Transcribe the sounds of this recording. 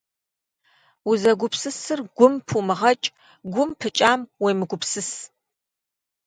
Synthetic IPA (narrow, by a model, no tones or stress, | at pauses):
uzɐɡʷʊpsɨsɨrɡ̥ʷʊmpʰumɨʁɐt͡ʃʼ | ɡʷʊmpʰɨt͡ʃʼaːmwejmɨɡʷʊpsɨs